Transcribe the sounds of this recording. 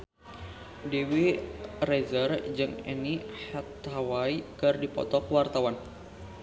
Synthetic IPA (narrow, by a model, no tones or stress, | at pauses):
dewirɛzərd͡ʒɨŋɛ̰nihɛt̪ɦawaikɨrdipɔ̰t̪ɔkwart̪awan